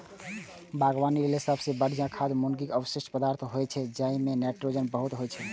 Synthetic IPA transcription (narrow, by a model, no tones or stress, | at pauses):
bʱaɡwanilelesəbʱsẽbəɽ̤d͡ʒãkʰad̪munɡikəwəsiʃʈʰpəd̪aɾt̪ʰɦojt͡ʃʰɛd͡ʒaimenaʈɾod͡ʒənbəɦut̪ɦojt͡ʃʰɛ